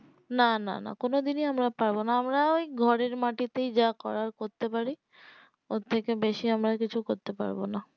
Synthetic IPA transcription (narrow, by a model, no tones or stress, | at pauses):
nana̰na̰konod̪iniamɾapaɾbonaamɾaojɡʱɔɾeɾmaʈit̪ejd͡ʑakɔɾaɾkoɾt̪epaɾi | ot̪ʰːekebeʃiamɾaɾkit͡ɕʰukoɾt̪epa̰ɾbona